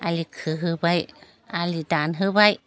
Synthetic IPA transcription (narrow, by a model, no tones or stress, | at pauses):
ʔalikʰɯɦɯbaj | alid̪anɦɯbaj